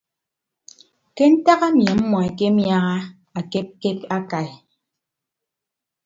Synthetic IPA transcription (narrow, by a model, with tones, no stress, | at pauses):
ke˦n̩˦ta˦ɣa˦mje˨m̩˦mɔ˨e˨ke˦mja˦ɣa˦ | a˨ke˦p̚ke˦ta˦ka˨e˨